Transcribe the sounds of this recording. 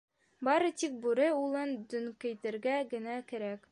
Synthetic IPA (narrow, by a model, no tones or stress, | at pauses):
bɒɾɤt̪ik̚bʉɾɘulˠɤnd̪ɵ̆ŋkɘ̆jt̪ɘ̆ɾɡæɡɘ̆nækɘ̆ɾæk